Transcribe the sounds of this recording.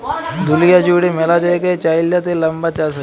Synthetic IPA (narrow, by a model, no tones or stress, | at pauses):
d̪ʊlijad͡ʒuːɽemelad͡ʒaeket͡ʃaːɪljat̪elɐmbat͡ʃaːsɐ